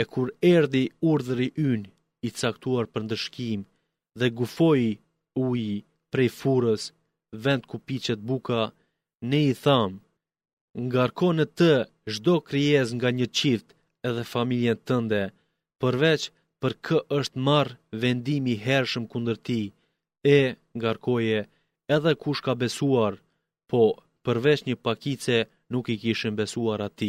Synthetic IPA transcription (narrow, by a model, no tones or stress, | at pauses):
ɛkuɾɛɾðiuɾðəɾiʔyn | it͡sak̚t̪uaɾpəɾnd̪əʃkim | ðɛɡufɔj | uj | pɾɛjfuɾəs | vɛnd̪̚kupit͡ɕɛt̪̚buka | nɛiθam | ŋɡaɾkɔnət̪ə | ʒd̪ɔkɾiɛs̬ŋɡaɲət͡ɕilt̪ | ɛðɛfamiljɛnt̪ənd̪ɛ | pəɾvɛt͡ʃ | pəɾkʰəʔəʃt̪maɾvɛnd̪imiɦɛɾʃəmkund̪əɾt̪i | ɛ | ŋɡaɾkɔjɛː | ðɛkuʃkabɛsuaɾ | pʰɔ | pəɾvɛt͡ʃɲəpakit͡sɛ | nukikiʃimbɛsuaɾat̪i